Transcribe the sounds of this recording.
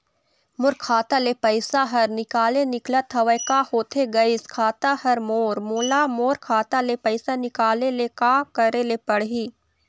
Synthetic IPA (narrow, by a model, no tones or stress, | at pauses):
mʊɾkʰaːt̪alepɐɪsaɦɐɾnɪkaːlenɪklat̪ʰɐʋəjkahoːt̪ʰeɡɐiskʰaːt̪ahɐɾmoːɾmoːlamoːɾkʰaːt̪alepɐɪsanɪkaːlelekaːkɐɾelepɐɽɦiː